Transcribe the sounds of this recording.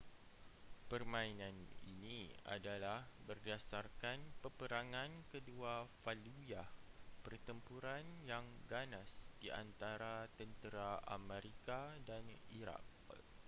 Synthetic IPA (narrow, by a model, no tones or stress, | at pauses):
pərmãinãnḭnia̰dalahbərdasarkanpəpəɾaŋãnkəduafalujapərt̪əmpuɾanjaŋɡanasd̥iʔa̰nt̪aɾat̪ənt̪əɾaa̰mɛ̃ɾikadaniɾa̰k̚